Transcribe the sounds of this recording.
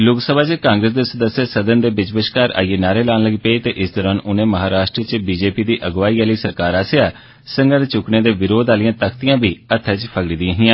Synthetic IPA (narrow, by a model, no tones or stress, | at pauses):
lʊksəbʱaːt͡ʃkãːŋɡɾəs̬d̪eːsəd̪əsːjeːsəd̪ənd̪eːbɪt͡ʃbəʃkaːɾa̰ːieːnaːɾeːlaːnləɡiːpeit̪ḛːʔɪsd̪ɔːɾaːnʊnẽːməɦaːɾaːʃʈɾət͡ʃbiːd͡ʒeːpiːd̪iːʔəɡʋaːiːaːləiːsəɾkaːɾaːseaː | səŋɡəɾt͡ʃʊkneːd̪eːʋɪɾoːd̪aːlɪjãːt̪əkʰt̪ɪjãːbiːət̪ʰːɛːt͡ʃpʰəɡɽiːd̪ɪãːɦɪjãː